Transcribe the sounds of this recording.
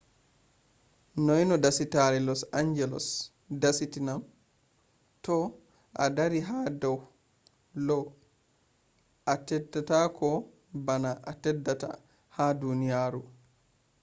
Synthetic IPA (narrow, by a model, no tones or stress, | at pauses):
nɔjnɔdasitaɾɛlɔsaɲd͡ʒɛlɔ̰s | dasitinam | tɔ | ʔa̰daɾiɦadɔw | lɔ | ʔatɛdːatakɔ | banaʔatɛdːata̰ | hadunijaːɾu